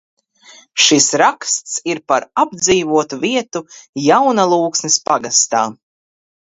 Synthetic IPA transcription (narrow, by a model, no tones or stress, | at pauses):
ʃisɾakst̪siɾpaɾabd̪ziːvuɔt̪uviɛt̪ujawnalˠuːksnispaɡast̪a̰ː